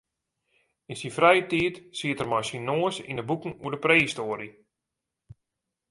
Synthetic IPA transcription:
insinfrɛjətiətsiətərmɔjsinoːəsḭnəbukən̩uədəpreːistoːəɾi

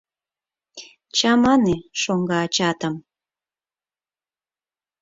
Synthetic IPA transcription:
t͡ɕɑmɑneʃoŋɡɑːt͡ɕɑt̪əm

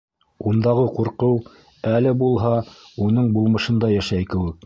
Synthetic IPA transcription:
und̪ɑʁɤquɾqɤw | ælɘbulˠɦɑunɤɴbulˠmɤ̆ʃɤ̆nd̪ɑjæʃæjkɘ̆wɘk̚

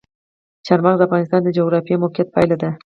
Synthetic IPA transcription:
ʃʰaɾmɑʁzafɑnɪst̪and̪ad͡ʒoɣɾapijamokʲʰːat̪̚pʰajlɪd̪ɪ

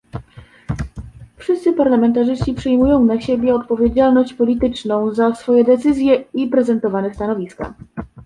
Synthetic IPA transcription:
fʂɘst̪sɘpaɾlamɛnt̪aʐɘst͡ɕipʂɘjmujɔ̃w̃naɕebʲjɛɔt̪̚pɔvʲjed͡ʑalnɔɕt͡ɕpɔlʲit̪ɘt͡ʂnɔ̃w̃zasfɔjɛd̪ɛt̪sɘzʲjɛipɾɛzɛnt̪ɔvanɛst̪anɔvʲiska̰

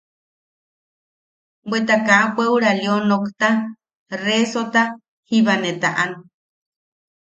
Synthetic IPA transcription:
bwet̪akaʔapʷeuɾaljonokt̪a | resot̪a | hiβanet̪aʔan

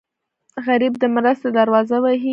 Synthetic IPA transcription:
ɣaɾibd̪əmɾast̪ed̪aɾwɑzawaɦi

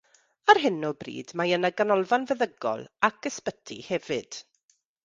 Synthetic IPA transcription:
arɦɪnɔbrḭːdmajənaɡanɔlˠvanvɛðəɡɔ̰lˠakəspətʰḭhɛvɨd̥

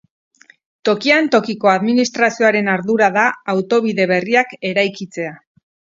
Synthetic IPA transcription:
t̪o̞kiant̪o̞kiko̞aðminist̪ɾasio̞aɾe̞naɾðuɾaðaːwt̪o̞β̞iðe̞βe̞riake̞ɾajkit͡se̞a

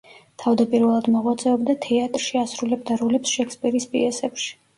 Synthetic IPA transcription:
t̪ʰavd̪apʼiɾvɛlˠad̪mɔʁwat̪sʼɛɔbd̪at̪ʰɛat̪ʼɾʃiasɾulɛbd̪aɾɔlɛpsʃɛkspʼiɾispʼḭɛsɛpʃi̥

